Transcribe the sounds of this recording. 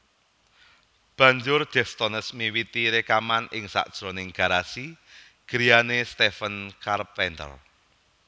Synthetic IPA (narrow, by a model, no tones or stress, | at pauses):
b̥ä̤ɲd͡ʒʊrd̥ɛft̪ɔnəsmiwit̪iɾekamanɪŋsa̰ʔd̥ʒ̥ɾonɪŋɡ̥a̤ɾasi | ɡ̥əɾijanest̪efənkarpɛnt̪ə̰l